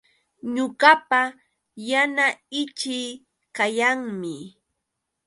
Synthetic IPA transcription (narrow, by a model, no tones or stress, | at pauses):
ɲʊɢapa | janaɪt͡ʃɪj | kajaŋmɪ